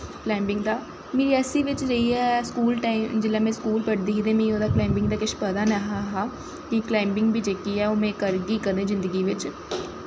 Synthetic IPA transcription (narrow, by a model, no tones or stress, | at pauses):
klɛːmbɪŋɡd̪aː | meːɾiːɛːsiːʋɪt͡ʃɾəiːɛskuːlʈaːimd͡ʒɪlːaːmɛ̃ːskuːlpəɽd̪iːid̪eːmĩːoːd̪aːklaːɪmbɪŋɡd̪aːkɪʃpəd̪aːnaɦaːɦaː | kɪklaːɪmbɪŋɡbʱiːd͡ʒeːkiːɛːoːmẽːkəɾɡiːkəd̪ẽːzɪnd̪əɡiːʋɪt͡ʃ